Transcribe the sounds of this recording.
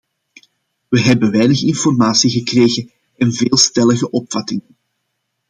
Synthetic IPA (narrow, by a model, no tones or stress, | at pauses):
ʋəɦɛbəʋɛjnəxɪnfɔrmaːsiɣəkreːɣə | ɛnveːlˠstɛləɣəʔɔpfɑtɪŋən